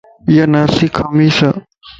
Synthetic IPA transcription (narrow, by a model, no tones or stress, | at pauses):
jɐnasikʰɐmisɐ